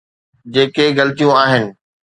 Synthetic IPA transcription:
d͡ʑeːkeɣɐlt̪ijũaːɦɪnɪ̆

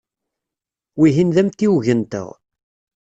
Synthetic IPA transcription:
wiɦinðæmt̪ːiwʝənt̪ə̰ʁ

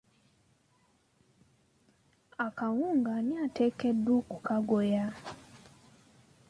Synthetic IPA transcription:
akawuːŋɡaniatʰɛkedukukaɡoja

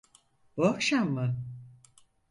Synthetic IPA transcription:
b̥uakʃamːɯ

